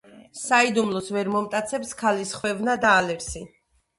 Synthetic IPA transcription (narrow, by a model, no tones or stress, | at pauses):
said̪umlˠɔsvɛɾmɔmt̪ʼat̪sʰɛpskʰalisχwɛvnad̪aːlɛɾsi